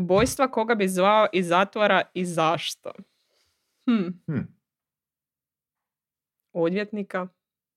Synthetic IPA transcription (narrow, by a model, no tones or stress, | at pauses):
bojst̪ʋako̞ɡabizʋaoʔizat̪ʋaɾaizaʃt̪a̰ | h̩ | od̪ʋʲjet̪nika